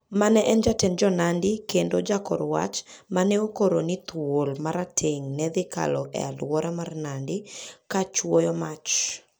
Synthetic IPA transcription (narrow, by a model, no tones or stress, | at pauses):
manɛʔɛnd͡ʒatɛnd͡ʒɔnandɪkendod͡ʒakɔ̰ɾwa̰t͡ʃmanɛokoɾonit̪wolmaɾatʰeŋnɛd̪ɪka̰lɔ̰ʔɛ̰alwɔɾamarnandɪkat͡ʃwojɔmat͡ʃ